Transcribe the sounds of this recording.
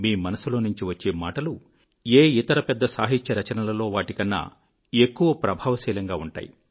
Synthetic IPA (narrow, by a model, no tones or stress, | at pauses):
miːmɐnɐsulo̞ːnuɲt͡ʃiʋɐt͡ʃːe̞ːmaːʈɐlu | eːit̪ɐɾɐpɛd̪ːɐsa̰ːɦit͡ʃːɐɾɐt͡ʃɐnɐlɐlo̞ːʋaːʈikɐnːɐ̰ | ekːuʋɐpɾɐbʱaːʋɐsɛːlɐŋɡaːuɳʈa̰ːjḭ